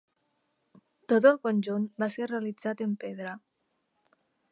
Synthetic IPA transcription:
t̪ot̪əlˠkonʲʒunbasereəlid͡zat̪əmpeðɾə

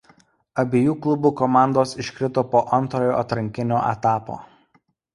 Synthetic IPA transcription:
ɐbʲeːjuːklˠʊbuːkɔmɑˑnd̪oːsɪʃʲkɾʲɪt̪opoːʔɐnˑt̪ɾoːjo̰ːɐt̪ɾɐŋʲkʲɪnʲoːʔɛ̰t̪ɑːpo̰ː

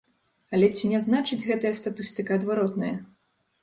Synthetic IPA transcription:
ɐlʲɛt͡sʲinʲɛznat͡ʂɨd͡zʲɣɛt̪ɐjɐst̪at̪ɨst̪ɨkɐɐd̪vaɾɔt̪nɐjɐ

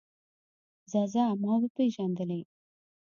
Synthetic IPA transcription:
zɑzaːmɑwəpeʒand̪əle

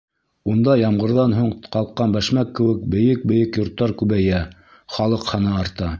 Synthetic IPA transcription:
und̪ɑjɑmʁɤ̆ɾðɑnɦuɴqɑlˠqːɑnbæʃmækːɘ̆wɘk̚bɘ̆jɘk̚bɘ̆jɘkjŏɾt̪ːɑɾkʉβæjæ | χɑlˠɤqχɑnɑɑɾt̪ɑ

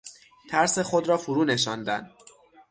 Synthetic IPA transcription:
t̪ʰæɾse̞xod̪ɾɒːfuɾuːne̞ʃɒnd̪æ̰nd̪

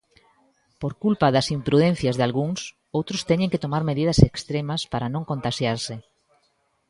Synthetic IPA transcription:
poɾkulpaðɐsimpɾuðɛn̟θjɐzðalɣuŋs | owt̪ɾʊst̪ɛɲẽŋket̪omaɾmeðiðɐsekst̪ɾemɐspaɾɐnõŋkont̪aʃjaɾsɪ

